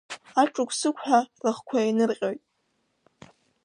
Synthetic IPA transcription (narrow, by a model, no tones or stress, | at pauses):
aʈ͡ʂʼʊkʷʰsɨkʷʰħarɨχkʷʰainɨrqʲʼo̞jtʼ